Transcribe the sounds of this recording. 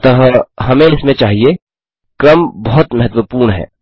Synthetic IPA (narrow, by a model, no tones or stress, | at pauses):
t̪ɐɦə̃ɦɐmẽɪsmẽt͡ʃaːɦie | kɾəmbɐɦʊt̪mɐɦət̪wəpuːɾɳɦɛ̰ː